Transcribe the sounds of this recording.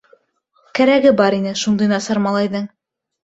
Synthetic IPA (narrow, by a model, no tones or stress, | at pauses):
kæɾæɡɘbɑɾinɘʃund̪ɤjnɑsɑɾmɑlˠɑjðɤŋ